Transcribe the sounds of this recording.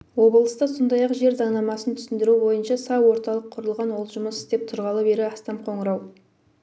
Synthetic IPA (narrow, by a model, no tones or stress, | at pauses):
wo̞bəlˠəst̪ɑso̞nd̪ɑjɑqʒe̞ɾzɑɴnɑmɑsənt̪ʰʏ̥sɪnd̪ɪɾubo̞jənʃɑsɑwo̞ɾt̪ɑlˠəqʰːʊɾəlˠʁɑnwolˠʒʊməsɪd̪e̞p̚t̪ʰʊɾʁɑlˠəbe̞ɾɪɑst̪ɑmqʰo̞ɴəɾɑw